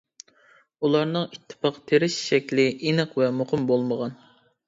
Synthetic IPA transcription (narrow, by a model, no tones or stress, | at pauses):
ulˠɑɾnɨŋit̪ʰːɨ̥pɑqt̪ʰeɾɪʃʃɛkʲlɪʔinɨqvɛmoqɨmbolˠməʁɑn